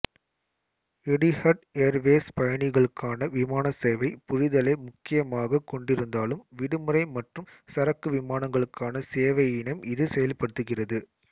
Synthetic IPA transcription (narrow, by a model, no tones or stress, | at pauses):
ɛɽihɐʈeːɾʋeːspɐjɐnɪɣɐɭɯkːaːnɐʋɪmaːnɐseːʋɐɪpʊɻɪðɐlɐɪmʊkːɪjɐmaːɣɐkɔɳɖɪɾɯnd̪aːlɯmʋɪɽɯmɯrɐɪmɐʈrɯmsɐɾɐkːɯʋɪmaːnɐŋɡɐɭɯkːaːnɐseːʋɐjɪnɐmɪðɯsɛjɐlpɐɽɯt̪ːɯɣɪrɐðɯ